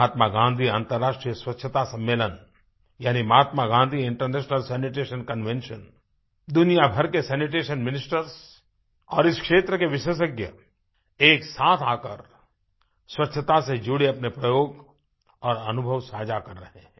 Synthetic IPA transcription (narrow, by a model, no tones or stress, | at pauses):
aːt̪maɡãːnd̪ʱiãːnt̪əɾːaːʃʈɾijəswɐtːʃʰət̪asɐ̃mːeːlən | jaːnimɐɦaːt̪maɡãːnd̪ʱiɪ̃ɳʈəɾneːʃnəlsɛːnɪʈeːʃənkənʋẽnʃən | d̪ʊnijabʱɐɾkesɛːnɪʈ̬eːʃənmɪnɪsʈəɾs | ɔːɾɪskʃeːt̪ɾəkeʋɪʃəs̬əɡjə̰ | eːksaːt̪ʰaːkəɾ | swɐtːʃʰət̪ased͡ʒuɽeɐpnepɾɐjoːɡ | ɔːɾɐnʊbʱəʋsaːd͡ʒakɐɾːɐɦẽɛ̃ː